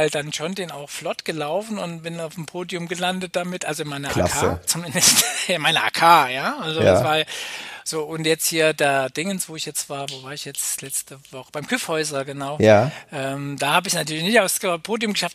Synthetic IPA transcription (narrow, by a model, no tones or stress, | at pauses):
ɪld̥anʃondeːna̰ʊxflɔtɡ̥əlaʊfn̩ʊntb̥ɪnaʊfm̩pʰoːdjʊmɡəlandət̚d̥amɪtʔalzoɪnmaɪnɐʔlaaə̰t͡sumɪndəstɪnmaɪnɐʔa̰ːkʰaːjaːʔalzoa̰svaːɐjaz̥oːʔʊntjɛt͡sthiːɐdaːd̥ɪŋənsv̥oːɪçjɛt͡stv̥aːɐvovaːɐɪçjɛt͡slɛt͡stəvɔχəb̥aɪmkʰʏfhɔʏzɐɡənaʊjaʔɛːmd̥aːhaːbəɪçnatʰyɐlɪçnɪçtaʊfspʰoːdiʊmɡəʃaft